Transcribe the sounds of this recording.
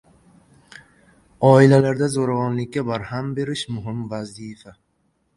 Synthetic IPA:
ɒːɪlalaɾd̪azoɾavɒnlɪkʲːabaɾhambe̞ɾɪʃmʊɦɪmvazifa

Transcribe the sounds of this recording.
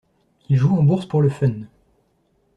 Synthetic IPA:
ilʒuɑ̃buʁspuʁləfœn

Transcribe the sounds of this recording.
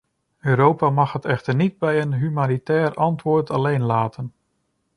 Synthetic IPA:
øːɾowpamɑxɦətɛxtərnid̚bɛjənɦymanitɛːrɑntʋʊːɹtʰalejnlaːtʰən

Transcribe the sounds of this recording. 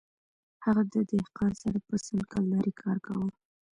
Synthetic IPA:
haɣad̪əd̪ɪhqɑnsaɾapəsənkɑlːɑɾʔikʰɑɾkawəl

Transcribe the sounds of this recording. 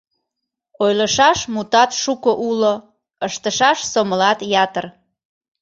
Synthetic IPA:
ojləʃɑʃmut̪ɑt̪ʃukoʔulo | əʃt̪əʃɑʃsoməlɑt̪jɑt̪ər

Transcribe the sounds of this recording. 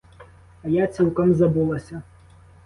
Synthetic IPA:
ɐjat͡sʲiw̪ˠkɐmzɐbulˠɐsʲɐ

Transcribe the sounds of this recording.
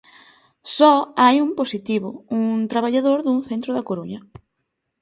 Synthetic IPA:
sɔajumposit̪iβʊuŋt̪ɾaβ̞aʎaðoɾðuŋθent̪ɾʊðɐkoɾuɲɐ

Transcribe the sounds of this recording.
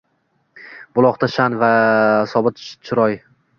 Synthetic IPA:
b̥ʊlˠɒqt̪aʃanvasɒbɪt̪t͡ʃʰɪɾɒj

